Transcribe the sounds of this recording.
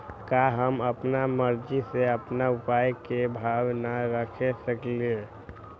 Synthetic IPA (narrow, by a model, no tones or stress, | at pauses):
kaɦəməpnaməɾd͡ʒiseəpnaupajkebʱaʋnaɾəkʰesəklie